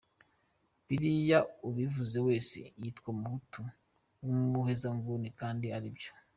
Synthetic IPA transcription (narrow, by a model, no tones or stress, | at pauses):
piɾijauβivuze̞we̞ːsḛjiːtkwamuhutu | wumuhezaŋɡunikaːndiaɾibjo̥